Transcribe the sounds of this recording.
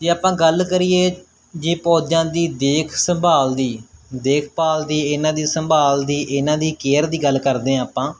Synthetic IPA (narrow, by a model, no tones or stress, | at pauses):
d͡ʒeːaːpãːɡəlkəɾiːeː | d͡ʒeːpɔːd͡ʒãːd̪iːd̪eːkʰsə̃mbaːld̪iːd̪eːkʰpaːld̪iːɪnãːd̪iːsəmbaːld̪iːʔɪnãːd̪iːkeːəɾd̪iːɡəlkəɾd̪ẽːaːpãː